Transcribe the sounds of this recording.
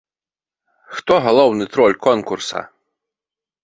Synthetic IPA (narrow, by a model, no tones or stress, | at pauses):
xt̪ɔɣalˠɔwnɨt̪ɾɔlʲkɔnkursɐ̰